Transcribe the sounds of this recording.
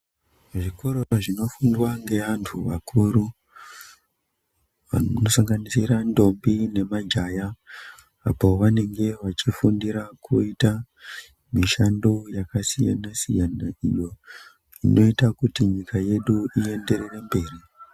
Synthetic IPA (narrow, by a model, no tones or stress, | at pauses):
ʐiko̞ɾooʐino̞fundwaŋɡe̞ʋantʰuʋa̰kʰuːɾu | ʋa̰nosaŋɡanisiɾando̞mbine̞mad͡ʒaja̰ː | po̞ʋane̞ŋɡe̞ʋat͡ʃifundiɾakʰuita | miʃando̞jakasija̰nasḭjanaḭjo̞ | ino̞itakutiɲikaje̞ɗuie̞nde̞ɾere̞mbe̞ːri